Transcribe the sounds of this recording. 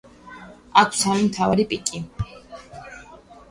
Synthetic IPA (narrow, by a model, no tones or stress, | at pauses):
akʰsamimt̪ʰavaɾipʼikʼi